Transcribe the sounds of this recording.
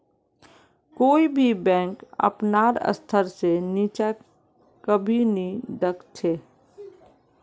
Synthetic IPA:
koːibʱibɛ̃ːŋkə̰pnaːɾə̰st̪ʰəɾseniːt͡ʃa | kəbʱinĩd̪əkt͡ʃʰeː

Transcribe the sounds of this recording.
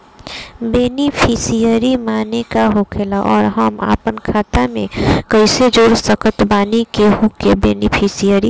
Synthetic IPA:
beːnipʰisijəɾimaːnekaɦoːkʰelaʔɔːɾɦəma̰ːpənkʰaːt̪amẽkəɪsed͡ʒoːɾsəkət̪baːnikeɦukebeːnɪpʰisijəɾi

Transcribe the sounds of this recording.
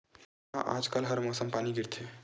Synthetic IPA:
ɦã̰ʔa̰ːd͡ʒkəlɦɐɾmɔːsəmpaːniɡɪɾt̪ʰe

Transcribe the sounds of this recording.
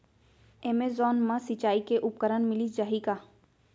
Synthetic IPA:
emezɔːnmãsɪt͡ʃaːikeʔʊp̚kəɾənmɪlid͡ʒaɦikaː

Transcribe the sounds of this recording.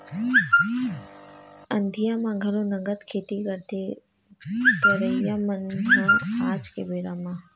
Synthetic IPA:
ə̃nd̪ʱijamãɡʱɐlonəɡət̪kʰeːt̪ikəɾt̪ʰe | d̪əɾəijamənãnaːd͡ʒkḛbeːɾamã

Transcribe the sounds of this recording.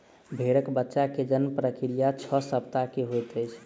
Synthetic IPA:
bʱeɽəkbətːʃaked͡ʒənpɾəkiɾijat͡ʃʰɔsəpt̪akeɦojt̪əjt͡ʃʰ

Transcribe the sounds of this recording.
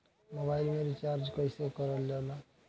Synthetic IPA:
mobajlmeɾit͡ʃaɾd͡ʒkʌjsekʌɾɔljela

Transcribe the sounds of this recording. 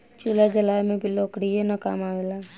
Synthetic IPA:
t͡ʃulad͡ʒəlaːmẽbʱiloːkɽienaka̰ːmaːʋelaː

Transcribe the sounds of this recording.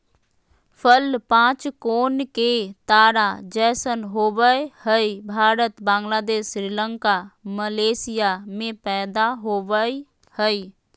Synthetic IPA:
pʰəlpãːt͡ʃkoːnket̪aːɾad͡ʒɛːsənɦoːʋəhəibʱaːɾət̪bãːŋɡlaːd̪eːʃɾɪlə̃ŋkaməleːsɪjamẽpɛːd̪aɦoːʋəi | həi

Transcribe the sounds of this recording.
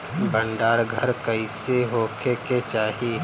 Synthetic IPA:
bʱə̃ɳɖaːɾɡʱəɾkəiseɦoːkʰeket͡ʃaːɦie

